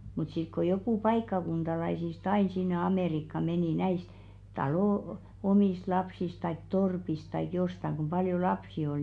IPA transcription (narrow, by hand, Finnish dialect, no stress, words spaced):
mut sit ko jokuˑ pɑikːɑkuntɑlɑisist ɑin sinːe ɑmeˑrikːɑ meniˑ næist tɑloˑ omiˑst lɑpsis tɑik torpis tɑik jostɑŋ ɡ̊um pɑljo lɑpsi ol